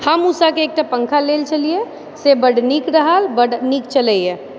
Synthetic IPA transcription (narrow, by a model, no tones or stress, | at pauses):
həmusakeːk̚ʈapə̃ŋkʰaleːlt͡ʃɐlie | sebəɽnikɾəɦalbəɖniːk̚t͡ʃɐləiɛ